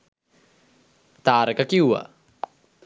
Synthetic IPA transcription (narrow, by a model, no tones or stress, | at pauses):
t̪aːɾakakiua̰